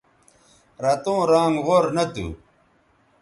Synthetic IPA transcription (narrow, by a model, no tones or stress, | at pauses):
ɾɐt̪õːɾaːŋɡʁoɾnɐt̪ṵ